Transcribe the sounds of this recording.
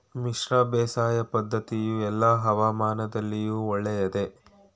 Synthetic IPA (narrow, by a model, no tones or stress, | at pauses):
miʃɾaːbɛːsaːjɐpɐd̪ʱːɐt̪ijuɛlːaɦɐʋaːmaːnɐd̪ɐlːijuːɔɭːɛjɐd̪e̞